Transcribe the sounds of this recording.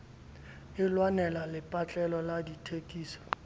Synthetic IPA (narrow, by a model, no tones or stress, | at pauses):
ɪlwanɛlalɪpʼat͡ɬʼɛlɔladitʰekʼiːsɔ̥